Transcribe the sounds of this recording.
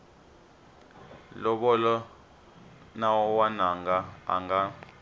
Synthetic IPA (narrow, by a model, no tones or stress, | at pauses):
lɔɓɔlɔ | nawɔwanaŋɡaa̰ŋɡa